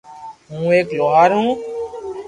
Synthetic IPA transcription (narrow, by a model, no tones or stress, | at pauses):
ɦũːeːkloːɦaːɾɦũː